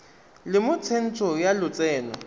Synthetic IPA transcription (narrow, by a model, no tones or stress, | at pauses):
lɪmʊt͡sʰen̩t͡sʰɔjalʊt͡sʼɛːnɔ